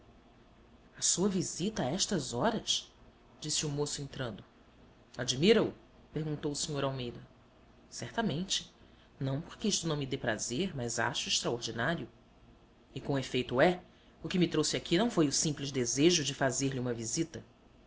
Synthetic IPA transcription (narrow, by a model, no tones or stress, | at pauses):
ɐsuɐvizit̪ɐaɛʃt̪ɐzɔɾɐs | d͡ʒisɪʊmosʊẽnt̪ɾɐ̃nd̪ʊ | ad͡ʒimiɾɐʊ | peɾɡũnt̪owʊsĩɲoɾawmejd̪ɐ | sɛɾt̪ɐmẽnt͡ʃɪ̥ | nɐ̃w̃poɾkɪiʃt̪ʊnɐ̃w̃mɪd̪epɾazeɾmɐjza̰ʃʊɪʃt̪ɾaoɾd͡ʒinaɾjʊ | ɪkõefejt̪ʊɛ | ʊkɪmɪt̪ɾosɪakʰinɐ̃w̃fojʊsĩplɪzd̪ezeʒʊd͡ʒɪfazeɾliũmɐvizit̪ɐ